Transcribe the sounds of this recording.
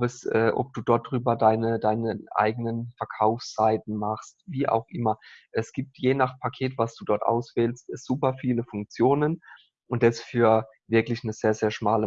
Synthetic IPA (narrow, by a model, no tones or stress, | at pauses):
bəsʔɛːʔɔ̰p̚d̥uːdɔɐt̚d̥ʁyːbɐdaɪnədaɪnəʔa̰ɪɡənənfɛɐkʰaʊfst͡saɪtn̩maχstviːʔa̰ʊxʔɪmɐʔɛsɡ̥iːp̚tʰjeːnaχpʰakʰeːtv̥asd̥uːdɔɐtʔa̰ʊsv̥ɛːlstz̥uːpɐfiːləfʊŋk̚t͡sjoːnən | ʔʊntd̥ɛsfyːɐ | vɪɐklɪçnəz̥eːɐzeːɐʃmaːlə